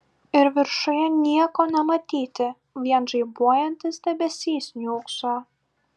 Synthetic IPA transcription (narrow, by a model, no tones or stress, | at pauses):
ɪɾʋʲɪɾʃʊjɛnʲiɛkoːnʲɛmɐt̪ʲiːt̪ʲɪ | ʋʲiɛnʒɐɪbuɔjɛnʲt̪ʲɪsd̪ʲɛbʲɛsʲiːsʲnʲuːksoː